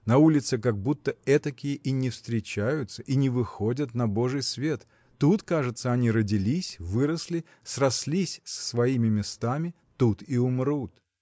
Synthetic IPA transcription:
nɐulʲɪt̪sɨkɐɡ̚but̪ːəɛt̪ɐkʲɪjəʔinʲɪfst̪ɾʲɪt͡ɕæjʊt̪səʔinʲɪvɨxodʲət̪nɐbo̞ʐɨjsvʲet̪ | t̪ːut̪kaʐɨt̪səɐnʲiɾədʲɪlʲisʲvɨɾəsʲlʲɪ | srɐslʲisʲsə̥svɐimʲɪmʲɪst̪amʲɪ | t̪ut̪iʊmrut̪

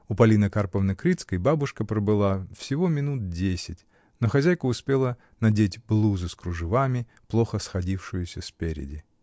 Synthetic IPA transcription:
ʊpɐlʲinəkarpəvnɨkɾʲit̪skəjbabʊʂkəpɾəbɨlˠafsʲɪvo̞mʲɪnut̪̚dʲesʲɪtʲ | no̞xɐzʲæjkʊːspʲelˠə | nɐdʲetʲblˠuzɨskɾʊʐɨvamʲɪ | plˠo̞xəsxɐdʲifʂɨjʊsʲəspʲeɾʲɪ̰dʲɪ

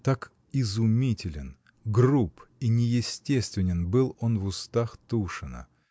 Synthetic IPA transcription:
t̪ak | ɪzʊmʲitʲɪlʲɪn | ɡrupinʲɪjɪsʲtʲest̪vʲɪnʲɪnbɨlˠo̞nvʊst̪axt̪uʂɨnə̰

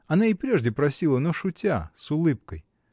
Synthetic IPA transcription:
ɐnaɪpɾʲe̞ʐdʲɪpɾɐsʲilˠənoʂʊtʲa̰sʊlˠɨp̚kəj

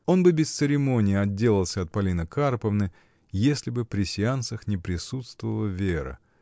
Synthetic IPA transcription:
o̞nbɨbʲɪst̪sɨɾʲɪmo̞nʲɪjəɐdʲːe̞lʲˠəlˠsʲəɐt̪̚pɐlʲinəkarpəvnɨ | jesʲlʲɪbɨpɾʲɪsʲɪant̪səxnʲɪpɾʲɪsut̪st̪vəvəlˠəvʲeɾə̰

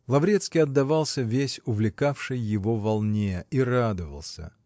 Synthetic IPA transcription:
lˠɐvɾʲet̪skʲijɐd̪ːɐvalˠsʲəvʲesʲʊvlʲɪkafʂɨjːɪvo̞vɐlˠnʲeirad̪əvə̰lˠsʲə̰

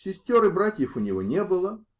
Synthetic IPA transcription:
sʲɪsʲtʲoɾɨbɾatʲjəfʊnʲɪvonʲebɨlˠə

